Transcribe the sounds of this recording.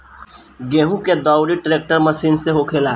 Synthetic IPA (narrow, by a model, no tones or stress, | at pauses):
ɡẽːɦũked̪ɔːʊɾiʈɾeːk̚ʈəɾməsiːnseɦokʰeːlaː